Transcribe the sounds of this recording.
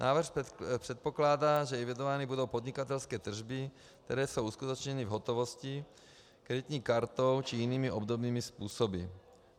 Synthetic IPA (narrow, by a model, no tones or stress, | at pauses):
nʔaːvr̩xpr̥ɛt̪̚poklaːdaːʒɛɛvid̪ovaːnibudo̞wpod̪ɲikat̪ɛlskɛːt̪r̩ʒbi | k̚t̪ɛɾɛːsowʔuskut̪ot͡ʃɲɛnivɦot̪ovosci | kɾɛd̪it̪ɲiːkaɾt̪owt͡ʃijiniːmiʔobd̪obniːmispuːsobi